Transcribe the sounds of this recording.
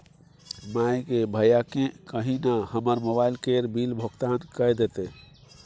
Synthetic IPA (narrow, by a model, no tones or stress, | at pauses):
majkebʱəjakẽkəɦinahəməɾmobailkeɾbilbʱəɡt̪ankəjd̪et̪e